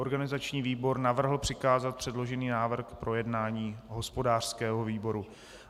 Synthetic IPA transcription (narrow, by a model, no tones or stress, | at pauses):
oɾɡanɪzat͡ʃɲiːviːbo̞ɾnavr̩ɦl̩pr̥ɪkaːzat̪̚pr̝̥ɛdlo̞ʒɛniːnaːvr̩xkpɾʔo̞jɛdnaːɲiːɦo̞spo̞daːr̥skɛːɦo̞viːbo̞ɾu